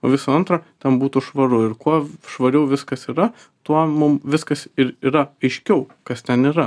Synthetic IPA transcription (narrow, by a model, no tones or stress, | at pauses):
o̰ːʋʲɪsɐɐnt̪ɾɐːt̪ʲɛnbuːt̪ʊʃʋɐɾʊɪɾkuɔʃʋɐɾʲɛʊʋʲɪskɐsiːɾɐ | t̪uɔmʊmʋʲɪskɐsɪɾiːɾɐɐɪʃʲkʲɛʊkɐst̪ʲɛniːɾɐ